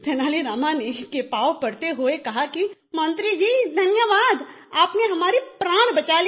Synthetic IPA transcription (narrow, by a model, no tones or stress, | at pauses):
t̪ʰɛːnaːliɾaːmanekeːpaːopɐɽt̪eɦoekɐɦaki | mɐ̃nt̪ɾid͡ʒiːd̪ʱɐnjəʋaːd̪ | aːpneɦɐmaːɾipɾaːɽ̃bɐt͡ʃaːl